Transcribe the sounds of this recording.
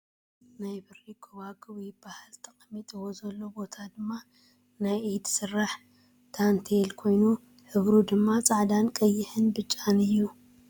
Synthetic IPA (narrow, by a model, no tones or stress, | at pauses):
najbɨɾikʰoβaɡʼɨwjbahɨlt̪ʰʼɐχʼmit̪ʼiwozɐlːo̞bo̞t̪ʰad̪ɨmːa | najʔed̪sɨrːaħ | t̪ʰant̪ʰelkʰo̞jnu | ħɨβɾud̪ɨmːat͡sʼaʕd̪ankʼɐjːɪħɨnbɨt͡ʃʼːanɨjːu